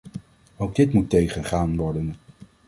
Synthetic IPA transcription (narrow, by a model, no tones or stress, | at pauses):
owɡ̚dɪtmutːejχənχaːnʋɔɹdən